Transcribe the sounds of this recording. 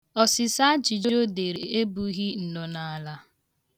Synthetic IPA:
ɔ˨sɪ˨sa˦d͡ʒi˨d͡ʒo˦o˦de˨ɾe˨e˦bu˦ɣi˦n̩˨nɔ˨na˨a˦˨la˦

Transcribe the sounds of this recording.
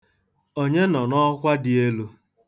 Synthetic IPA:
o˦ɲe˦nɔ˨nɔ˦kʷa˦dɪ˨e˦lu˦

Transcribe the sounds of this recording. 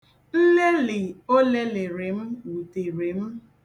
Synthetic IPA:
n̩˦le˦lɪ˨o˦le˦lɪ˨ɾe˨m̩˦wu˨te˨ɾe˨m̩˦

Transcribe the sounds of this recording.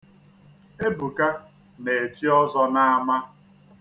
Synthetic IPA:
e˦bu˨ka˦ | ne˨t͡ʃi˦ɔ˦zɔ˦na˦a˦ma˦

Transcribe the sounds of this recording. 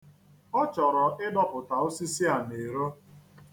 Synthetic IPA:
ɔ˦t͡ʃɔ˨ɾɔ˨ʔɪ˦dɔ˦pʊ˨ta˨o˦si˦si˦a˨ne˨ɾo˦

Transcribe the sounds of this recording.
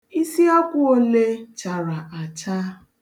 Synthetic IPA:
i˦si˦a˦kʷʊ˦o˦le˦t͡ʃa˨ɾa˨ʔa˨t͡ʃa˦

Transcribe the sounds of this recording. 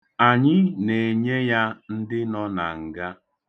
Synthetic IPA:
a˨ɲɪ˦ne˨e˨ɲe˦ja˦n̩˦dɪ˦nɔ˦na̰˨ŋ̩˨ɡa˦

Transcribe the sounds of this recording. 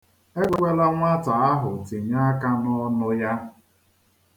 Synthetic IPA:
e˦ɡʷe˦ɡ͡bʷe˦la˦ŋʷa˦ta˨a˦ɦʊ˨ti˨ɲa˦ka˦nɔ˦nʊ˦ja˦

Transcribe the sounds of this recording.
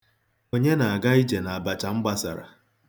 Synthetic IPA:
o˦ɲe˦na˨a˨ɡa˦i˦d͡ʒe˨na˨a˨ba˨t͡ʃa˨ŋ͡m̩˦ɡ͡ba˦sa̰˨ɾa̰˨

